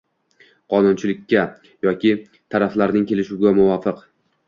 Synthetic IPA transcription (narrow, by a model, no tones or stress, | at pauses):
qʰɒnʊnt͡ʃʰɪlɪkʲːa | jɒkʲɪ | t̪ʰaɾaflaɾnɪŋkʲʰe̞lɪʃuɡʲamʊvɒfɪq